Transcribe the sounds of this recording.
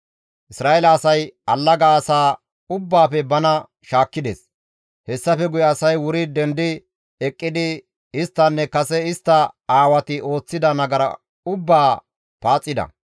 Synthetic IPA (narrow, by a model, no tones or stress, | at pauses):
ʔɪsɾaːelɐːsɐjɐlːɐɡaːsaː | ʊbːaːfɛbɐnɐ | ʃaːkːɪd̪ḛːs | hɛsːɐfɛɡʊjɛɐsɐjwʊɾɪd̪ɛnd̪ɪ | ɛkʼːɪd̪ɪ | ɪst̪ːɐnːɛkɐsɛɪst̪ːɐaːwɐt̪ɪʔo̞ːt͡sːɪd̪ɐnɐɡɐɾɐ̰ | ʊbːaː | paːt͡sʼːɪd̪ɐ̰